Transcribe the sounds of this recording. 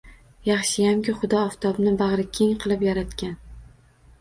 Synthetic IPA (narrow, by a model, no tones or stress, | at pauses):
jɑχʃɪjamkʲɪχʊd̪ɒːft̪ʰɒbnɪbɑʁɾɪkʲʰe̞ŋqʰɨlˠɪpjaɾat̪kʲan